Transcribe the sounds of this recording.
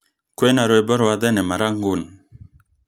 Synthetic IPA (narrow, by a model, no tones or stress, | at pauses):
kwenaɾojbɔɾwad̪enemaɾaŋɡun